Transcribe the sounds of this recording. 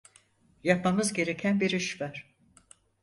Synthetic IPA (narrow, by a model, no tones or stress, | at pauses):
japmamɯzɟe̞ɾe̞cʰænbiɾɯʃvaɾ̥